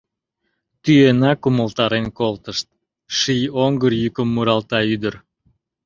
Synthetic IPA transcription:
t̪yenɑkuməlt̪ɑɾenkolt̪əʃt̪̚ | ʃijoŋɡərjykəmːuɾɑlt̪ɑyd̪əɾ

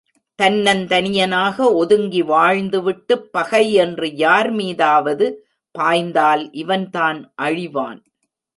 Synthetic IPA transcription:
t̪ɐnːɐnt̪ɐnɪjɐnaːɣɐɔðɯŋɡiʋaːɻnd̪ɯʋɪʈːɯpːɐɣɐɪɛndrɯjaːɾmiːðaːʋɐðɯ | paːjnd̪aːlʔɪʋɐnt̪aːnʔɐɻɪʋa̰ːn

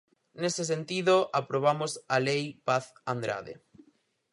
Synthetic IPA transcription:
neses̬ent̪iðoapɾoβ̞amosalejpaθand̪ɾa̰ðḛ

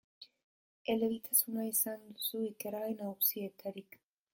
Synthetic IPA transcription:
e̞le̞βit̪ʰasunaisand̪usuike̞ɾaɣenaɣusie̞t̪ʰaɾik

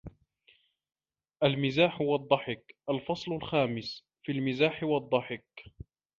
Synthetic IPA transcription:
ʔalmɪzaːħwɑd̪ˤːɑħɪkʔalfɑsˤlʊlxaːmɪs | fiːlmɪzaːħɪwɑd̪ˤːɑħɪk

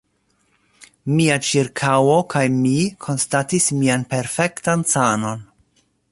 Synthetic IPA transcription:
miat͡ʃiɾkʰawo̞kʰajmikʰo̞nstatismianpe̞ɾfe̞ktansano̞n

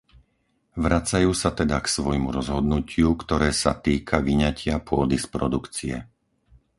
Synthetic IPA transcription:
ʋɾat͡sajuːsat̪ɛd̪aksʋɔjmuɾɔzɦɔd̪nucʰɪukt̪ɔɾɛːsa̰t̪iːkʰaʋiɲacɪapʊɔd̪ispɾɔd̪ukt͡siɛ̰

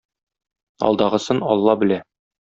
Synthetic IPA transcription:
ɒ̰lˠd̪ɑʁɤ̆sɤnɒlˠːɑbɘ̆læ

